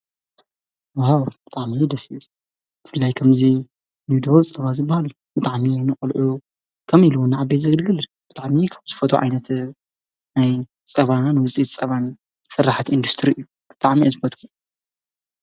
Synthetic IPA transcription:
wawb̥ɨt̪ʼaʕmid̪ɐsi | b̥ɨfɨlːajkʰɐmzi | nud̪ot͡sʼɐβazɨbːahal | bɨt̪ʼaʕminɨχʼlʕu | kʰɐmiluwɨnːaʕabːezɐɡɨlɡɨl | b̥ɨt̪ʼaʕmikʰaβz̥ɨfɐt̪ʰʼṵʕa̰jnɐt̪ | naj | t͡sʼɐβanwʊt͡sʼit̪t͡sʼɐβan | sɨrːaħt̪ʰiɨnd̪ust̪ʰɾiɨjːu | b̥ɨt̪ʼaʕmiazɨfɐt̪ʰʼu

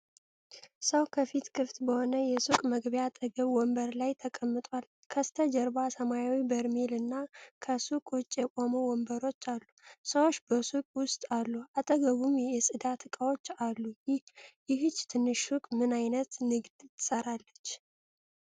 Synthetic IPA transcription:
səwkʰəfit̪kʰɨft̪bəho̞nəjɛsukʼməɡbjat̪ʼəɡəβwɔmbəɾlajt̪ʰəkʼəmːɨt̪ʼwal | kʰəst̪ʰəd͡ʒɛɾbasəmajawibəɾmelɨnːakʰəsukʼwʊt͡ʃʼjɛkʼo̞mowɔmbəɾo̞t͡ʃːalːusəwot͡ʃːbəsukʼwʊst̪ʼalːuat̪ʼəɡəβumjɛsʼɨd̪at̪ʰɨkʼawo̞t͡ʃːalːujjɪɦɨt͡ʃːt̪ʰɨnːɨʃukʼmɨnajnət̪nɨɡd̪̥t̪ʰɨ̥səɾalːət͡ʃː

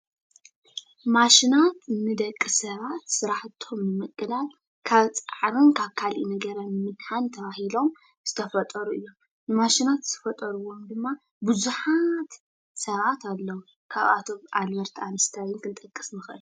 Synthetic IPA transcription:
maʃinat̪nɨd̪ɐkʼːisɐβat̪sɨɾaħt̪ʰːo̞mnɨmɨkʼːɨlal | kʰaβt͡sʼaʕɾɨnkʰaβkʰalinɐɡɐɾɐnɨmɨdħant̪ʰɐβahilo̞m | z̥ɨt̪ʰɐfɐt̪ʼɐɾuijːo̞m | nɨmaʃinat̪zɨt̪ʰɐ̥fɐt̪ʼɐɾuwo̞md̪ɨmːa | bɨzuħat̪ | sɐβat̪ʰalːɐwu | kʰaβa̰t̪ʰo̞βʔalbɐɾt̪ʰanɨst̪ʰawɪnkʰɨnt̪ʼɐkʼːɨ̥snɨxʔɨl

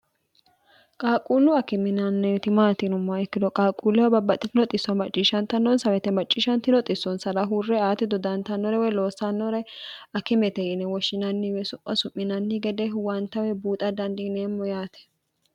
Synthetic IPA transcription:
kʼaːkʼːuːlːʊɐkɪmɪnɐnːɛt̪ɪmaːt̪ɪnʊmːɐɛkːɪd̪ɔkʼaːkʼːuːlːɛwɐbɐbːɐt̪ʼːɪt̪ɪnɔt̪ʼɪsːɔmɐt͡ʃʼːiːʃɐnt̪ɐnːɔnsɐwɛt̪ɛmɐt͡ʃʼːiːʃɐnt̪ɪnɔt̪ʼɪsːɔnsɐɾɐɦurːɛaːt̪ːɪd̪ɔd̪ɐnt̪ɐnːɔɾɛwɛlo̞ːsːɐnːɔɾɛɐkɪmɛt̪ɛjɪnɛwɔʃːɪnɐnːɪwɛsʊpʼːɐsʊmːɪnɐnːɪɡɛd̪ɛwɐnt̪ɐwɛbuːt̪ʼɐd̪ɐnd̪ɪneːmːɔjaːt̪ɛ̥

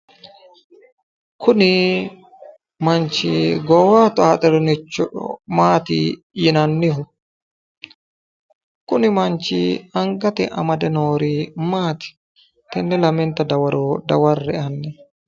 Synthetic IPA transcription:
kʰʊnɪ | mɐnt͡ʃɪɡɔːwaːt̪ʊaːt̪ʼɛɾɛnɪt͡ʃːɔᶑɔ̰maːt̪ɪ̰ | jɪnɐnːɪhʊ | kʊnɪmɐnt͡ʃːɪ̰ɐŋɡɐt̪ɛ̰ʔɐmɐd̪ɛnoːɾimaːt̪ɪ̥ | t̪ɛnːɛlɐmɛnt̪ɐd̪ɐwɐɾod̪ɐwɐrːɛɐnːɛ

